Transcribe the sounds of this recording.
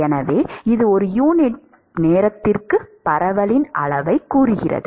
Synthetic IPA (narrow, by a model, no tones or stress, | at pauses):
ɛnɐʋeːɪðɯɔɾɯjuːnɪʈ | neːɾɐt̪ːɪrkɯpɐɾɐʋɐɭɪnʔɐ̰ɭɐʋɐɪkːuːrɯɣɪrɐ̰ðɯ